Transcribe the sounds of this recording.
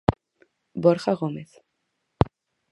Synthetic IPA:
bɔɾχaɣɔmeθ

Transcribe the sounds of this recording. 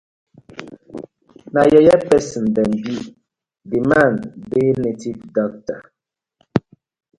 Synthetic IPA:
najɛjɛpɛsm̩bɛmbiʔ | dimanbenetidɔk̚ta

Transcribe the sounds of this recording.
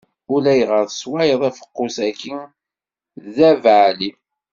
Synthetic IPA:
ʊlæjʁəɾswajəðˤifə̥qːʊsækin | ðævʕli

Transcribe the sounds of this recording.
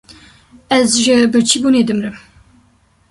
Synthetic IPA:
ɛzʒɨbɨɾt͡ʃʰibuːneːd̪ɨmɾɨm

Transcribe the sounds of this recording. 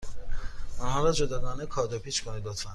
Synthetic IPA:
ɔnhɒːɾɒːd͡ʒod̪ɒːɡɒːnekʰɒːd̪opʰiːt͡ʃkʰonid̪ot̪ʰfæn

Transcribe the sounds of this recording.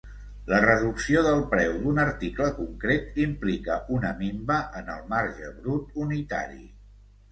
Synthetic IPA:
lərəðuksioðəlˠpɾɛwd̪unəɾt̪ikləkuŋkɾet̪implikəʔunəmimbəʔənəlˠmaɾʒəβɾut̪unit̪a̰ɾḭ

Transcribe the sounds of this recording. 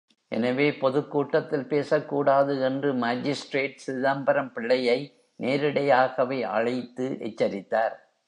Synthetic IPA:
ʔɛ̰nɐʋeːpɔðɯkːuːʈːɐt̪ːɪlpeːsɐkːuːɽaːðɯɛndrɯmaːd͡ʒɪsʈreːʈsɪðaːmbɐɾɐmpɪɭːɐjɐɪ | nʔeːɾɪɽɐjaːɣɐʋɐɪʔɐ̰ɻɐɪt̪ːɯʔɛ̰t͡ʃːɐɾɪt̪ːaːɾ

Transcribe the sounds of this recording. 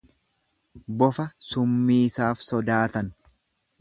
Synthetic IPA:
bɔfɐsʊmːiːsaːfsɔd̪aːt̪ɐn

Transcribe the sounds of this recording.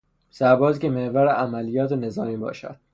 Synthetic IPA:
sæɾbɒːzcemehvæɾeʔæmælijɒːt̪ʰene̞zɒːmiːbɒ̰ːʃæ̰d̪̥

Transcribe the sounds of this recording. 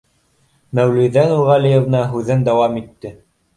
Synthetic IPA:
mæwluðænulʁɑlijɤ̆vnɑɦʉðɘnd̪æwɑmit̪ːɘ

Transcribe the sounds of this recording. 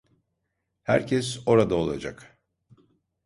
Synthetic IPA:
hæ̰ɾcʰɛso̞ɾad̪aolˠa̰d͡ʒak

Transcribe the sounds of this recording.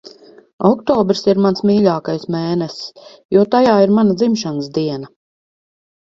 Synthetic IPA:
ɔkt̪ɔːbɾsiɾmansmiːʎʲaːkajsmɛːnɛs | juɔt̪ajaːiɾmanad̪zimʃanəsd̪iɛna

